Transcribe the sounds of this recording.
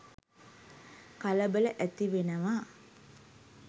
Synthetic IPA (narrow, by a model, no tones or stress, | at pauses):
kaləbələʔæt̪iʋenəʋaː